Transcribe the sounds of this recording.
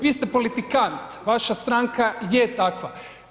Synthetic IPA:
ʋiːst̪epolit̪ikant̪ʋaʃast̪ɾaːŋkajet̪akʋa̰

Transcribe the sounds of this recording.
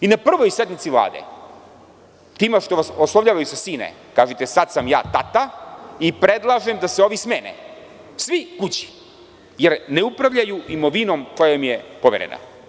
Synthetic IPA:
inapr̩ʋojsjed̪nit̪siʋlˠa̰ːd̪ḛ | t̪iːmeʃt̪o̞ʋasoslˠovʎaːʋajusasiːnḛ | kaːʒet̪e̞sad̪samja̰ːt̪at̪aipɾed̪lˠaʒemd̪aseo̞ʋismeːnḛ | sʋikut͡ɕi̥ | jeɾneupɾaʋʎajuimoʋino̞mko̞jamijepoʋeɾḛna̰

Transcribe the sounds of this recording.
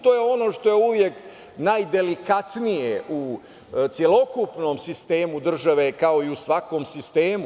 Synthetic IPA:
t̪o̞ːjeo̞no̞ʃt̪o̞jeuʋje̞k | najd̪e̞likat̪nijeʔu | t̪sjelo̞kupno̞ːmsist̪e̞ːmud̪r̩ʒaʋe̞kao̞iusʋako̞ːmsist̪eːmu

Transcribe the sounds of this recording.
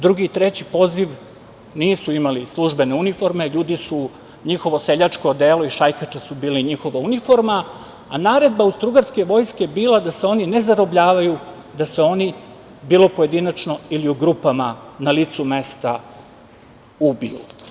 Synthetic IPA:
d̪ɾuɡiːt̪ɾet͡ɕipo̞ziʋ | niːsuimalislˠuʒbe̞ne̞unifo̞ɾme̞ʎuːd̪isu | ɲixo̞ʋo̞se̞ʎat͡ʃkod̪e̞ːlo̞iʃajkat͡ʃesubiːliɲixo̞ʋaunifo̞ɾma | anaːɾe̞d̪̚baust̪ɾuɡaɾske̞ʋo̞jskebiːlˠad̪aseo̞nine̞zaɾo̞bʎaːʋaju | d̪ase̞o̞ni | biːlˠo̞poje̞d̪inat͡ʃno̞iliuɡɾupamanalit̪sume̞st̪a | ubḭṵ

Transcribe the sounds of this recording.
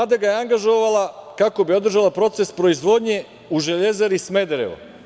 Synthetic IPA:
ad̪aɡajeaŋɡaʒo̞ʋalakako̞bio̞d̪ɾ̩ʒalˠapɾo̞t̪se̞spɾo̞izʋo̞d̪ɲe̞ | uʒe̞ʎe̞zaɾismed̪eɾḛʋa̰

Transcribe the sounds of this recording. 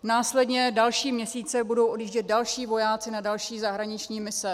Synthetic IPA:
naːslɛdɲɛdalʃiːmɲɛsiːt͡sɛbudo̞wʔodjiːʒɟɛt̪̚dalʃiːvo̞jaːt͡sɪnadalʃiːzaɦɾaɲɪt͡ʃɲiːmɪsɛ

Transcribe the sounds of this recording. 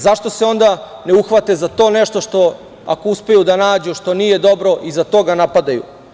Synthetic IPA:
zaʃt̪o̞seo̞nd̪ane̞uxʋat̪e̞zat̪o̞ːneʃt̪o̞ʃt̪o̞ | a̰kouspe̞jud̪anaːd͡ʑuʃt̪o̞niːje̞d̪o̞bɾo̞ʔizat̪o̞ːɡanapad̪ajṵ

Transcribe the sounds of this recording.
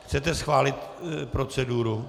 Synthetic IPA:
xt͡sɛt̪ɛsxvaːlɪt̪pɾo̞t͡sɛduːɾu

